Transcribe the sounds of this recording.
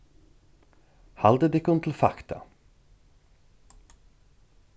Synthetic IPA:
hald̪əd̪ɪkʊnt̪ʰɪl̩fa̰kt̪ʰa̰

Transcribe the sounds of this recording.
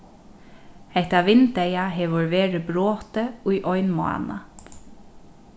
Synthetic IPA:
hɛht̪aʋɪnt̪ɛjaɦɛːʋʊɹʋeːɹɪbɹoːt̪əʊjʔɔʏnmʊa̰na̰

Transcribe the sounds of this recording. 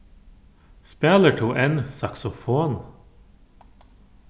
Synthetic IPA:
spæːləʈʰuːʔɛnsɑksʊfoːn

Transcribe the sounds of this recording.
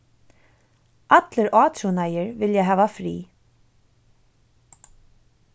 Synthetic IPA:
ʔat̪ləɾʔɑːt̪ʰɾunajəɾvɪljaɦæːʋafɾḭː

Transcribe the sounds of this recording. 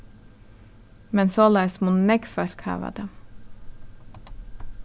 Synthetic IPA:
mɛnsoːlɛːsmunnɛɡfœɾkhɑ̰ːʋə̰d̪̥ə

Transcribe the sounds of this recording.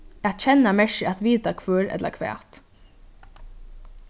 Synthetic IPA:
at̪t͡ʃʰɛnːamɛʃɪat̪ʋiːt̪akʰvœɾɛ̰t̪la̰kʰʋɛ̰ːt̪

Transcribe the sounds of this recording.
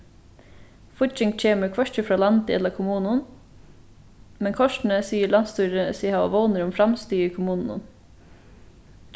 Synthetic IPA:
fʊt͡ʃɪŋt̪c͡çeːməkʰʋœʃtəfɾɑːlɑnd̪əɛ̰ləkʰʊmuːnʊn | mɛnkʰɔʃɳ̩əsiːəɭɑnst̪ʉːɾəsiːhɑo̰ʋoʊnəɾʊmfɾɑmst̪yːəkʰʊmuːnn̩ʊ̰n

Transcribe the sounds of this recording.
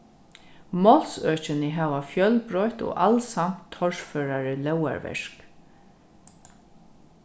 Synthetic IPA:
mɔlsœːt͡ʃɪnɪɦaːʋafjœlbɾɔjt̪ɔ̰ːʔalsam̥t̪ʰːɔɹføːɾaɾɪlɛwa̰ɹvɛ̰ʂk

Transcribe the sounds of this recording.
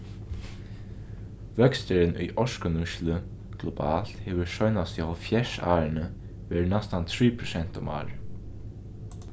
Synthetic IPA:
ʋœkst̪əɾənʊ̰jʔɔʃkənʊʃlə | ɡ̥lɔba̰ːl̥t̪heːʋəʃɔjnasjafjɛʃa̰ːɹənə | ʋeːɹnɛst̪ant̪ʰɹiːpʰɾʊsɛn̥t̪ɔma̰ːɹ

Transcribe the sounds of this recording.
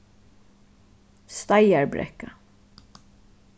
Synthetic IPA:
st̪ajaɹbɾɛ̰kːa

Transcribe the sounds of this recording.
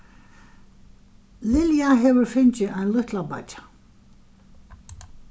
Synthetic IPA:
lɪljaɦɛvʏɾfʏnt͡ɕɪʔajnlʏht̪lapa̰t͡ʃḁ

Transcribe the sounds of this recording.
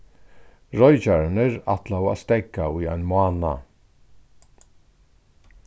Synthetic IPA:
ɹɔjd͡ʒaɹnəɹa̰t̪lawa̰st̪ɛɡauja̰jnmʊaːna̰

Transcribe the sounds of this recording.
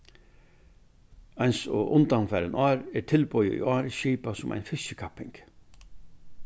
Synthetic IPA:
ajnsɔʔʊnt̪anfæːɾənʔaːɾɛɾtʰɪlpɔjə̰ḭʔɑːɾɪʃiːpasʊmʔa̰jnfɪsəkʰapːɪ̰ŋk

